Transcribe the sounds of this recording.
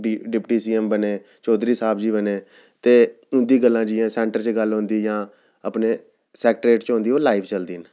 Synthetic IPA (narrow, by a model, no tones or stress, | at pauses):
ɖɪpʈiːsiːɛmbəneː | t͡ʃoːd̪ɾiːsaːbd͡ʒiːbəneː | t̪eː | ʊnd̪iːɡəlːãːd͡ʒiãːsɛ̃ːɳʈəɾt͡ʃɡəlɦʊ̃nd̪iːjãː | əpneː | sɛːk̚ʈɾeːʈt͡ʃɦʊ̃nd̪iːoːlaːipʰt͡ʃəld̪iːn